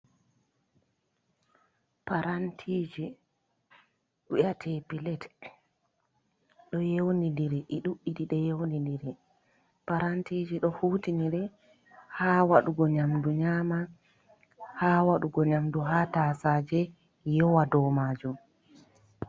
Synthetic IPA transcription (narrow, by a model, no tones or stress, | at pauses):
paɾantʰiːd͡ʒi | ɗujatʰɛpilɛt | ɗɔjewoniliɾɛʔɛɗuʔːiɗiɗɛjɛwoniliɾɛ | paɾantid͡ʒiɗɔhutiniɾɛ | haːwaɗuɡɔɲamduɲama | haːwaɗuɡɔɲamduɦataːsaːd͡ʒɛ | jɔwadɔmaːd͡ʒum